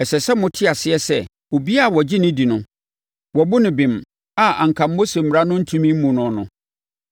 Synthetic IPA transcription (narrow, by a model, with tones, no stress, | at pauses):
ɛ˨sɛ˨sɛ˦mʊ̃˦tʰɪ˦a˨sɪ˦ɛ˦sɛ̰˦˨ | o˨bi˦a˦˨wɔ˨d͡ʑɪ˦nɪ̃˦di˨nʊ̃˦ | wɔ˨bʊ˦nɪ̃˨bɪ̃˨m | a˨a̰˨ŋ̩˨kʰã˨mː˦o˦se˨m̩˨mɪ˨ɾa˦nʊ̃˦n̩˦tʰũ˦mĩ˦m̩˦mũ˨nʊ̃˨nʊ̰̃˨